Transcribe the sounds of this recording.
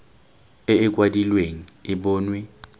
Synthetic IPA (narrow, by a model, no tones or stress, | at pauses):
ɪɪkʼwadilweŋ̩ɪbʊːnwe